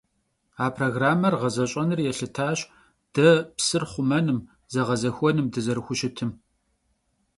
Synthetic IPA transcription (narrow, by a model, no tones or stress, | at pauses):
aːpʰroɣraːmɐrʁɐzɐɕʼɐnɨrjɛɬɨtʰaːɕʼ | d̥ɐpsɨrχʷʊmɐnɨm | zɐʁɐzɐxʷɔnɨmdɨzɐɾɨxʷʊɕɪtʰɨm